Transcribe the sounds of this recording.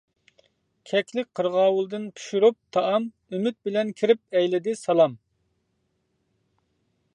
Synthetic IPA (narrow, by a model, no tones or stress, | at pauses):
kʲʰɛkʲʰlɪk̚ʲqʰəɾʁɑːwulˠd̪ɨnpʰu̥ʃuɾup̚t̪ʰɑʔɑm | ymyt̪̚bɪlɛnkʲʰiɾɪp̚ɛjlɪd̪ɪsɑlˠɑm